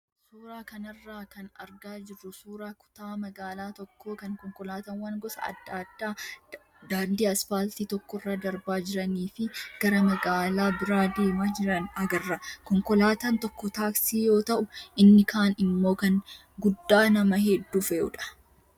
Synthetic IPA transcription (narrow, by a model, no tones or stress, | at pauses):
suːɾaːkɐnɐrːaːkɐnɐɾɡaːd͡ʒɪrːʊsuːɾaːkʊ̥t̪aːmɐɡaːlaːt̪ɔkːoːkɐŋkɔŋkɔlaːt̪ɐnwɐŋɡɔsɐ̰ɐ̰d̪ːaːd̪ːaː | d̪aːnd̪iːɐsfaːlt̪iːt̪ɔkːɔrːaːd̪ɐɾbaːd͡ʒɪɾɐniːfɪɡ̥ɐɾɐmɐɡaːlaːbɪɾaːd̪eːmaːd͡ʒɪɾɐnɐɡɐrːɐkɔŋkɔlaːt̪ɐnt̪ɔkːɔt̪aːksiːjo̞ːt̪ɐʔʊʔɪnːɪkʰaːnɪmːo̞ːkɐn | ɡʊd̪ːaːnɐmɐɦɛd̪ːuːfɛʊ̰ᶑɐ̥